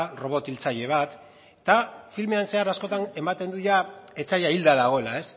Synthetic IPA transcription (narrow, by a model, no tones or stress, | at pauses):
ro̞β̞o̞t̪ilt͡saʎe̞β̞at̪ | et̪afilme̞anse̞aɾasko̞t̪ane̞mat̪e̞nd̪uʎae̞t͡sajaild̪aðaɣ̞o̞e̞lae̞s